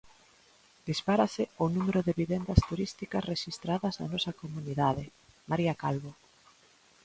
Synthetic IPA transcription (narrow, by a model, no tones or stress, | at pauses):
d̪ispaɾasɪonumeɾʊðɪβiβend̪ɐst̪uɾist̪ikɐsreʃist̪ɾaðɐznɐ̰nɔsɐkomuniðaðɪ | maɾiakalβo